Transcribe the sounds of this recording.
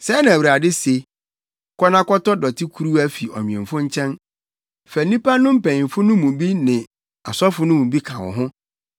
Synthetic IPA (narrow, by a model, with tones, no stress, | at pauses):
sɛ˦nã˨æ˨wu˨ɾa˨dɪ˦se˨˦ | kʰɔ˦nã˦kɔ˦tɔ˦dɔ˨tʰɪ˦kʰu˦ɾu˦æ˦fi˨ɔ̰˨ɲĩ˨ɛ̰̃˨m˨fʊ̃˦ɲ̩˦t͡ɕʰɛ̃˦n | fɛ˨nĩ˦pa˦nʊ̃˦m̩˦pɛ̃˨ɪ̃˨m˨fʊ˦nʊ̃˦mũ˨bi˦nɪ̃˨ | a˨sɔ˦fʊ˨˦nʊ̃˦mũ˨bi˦kʰã˨wɔ̰˨ɦʊ̃˦